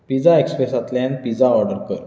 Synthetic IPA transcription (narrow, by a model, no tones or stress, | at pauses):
pid͡zaekspɾesat̪lãnpid͡zaɔɾɖəɾkəɾ